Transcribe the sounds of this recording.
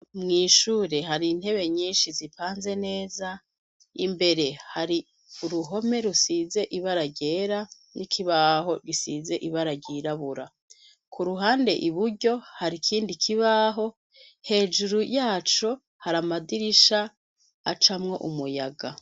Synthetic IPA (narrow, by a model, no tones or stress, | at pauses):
mŋiːʃuːɾe̞ɦaɾin̥he̞βe̞ɲiːnʃizipʰaːnze̞ne̞ːza | imbe̞ɾe̞haɾi | uɾuɦo̞me̞ɾusize̞ʔiβaɾaɟe̞ːɾa | nikʰiβaɦo̞ɾɡisize̞ʔiβaɾaɟiːɾaβuɾa | kʰuɾuɦaːnde̞ʔiβuɟo̞haɾikʰiːndikʰiβaːɦo̞ | he̞ːd͡ʒuɾujaːt͡ʃo̞ | haɾamadiɾiʃaː | t͡ʃamŋo̞ʔumujaɡa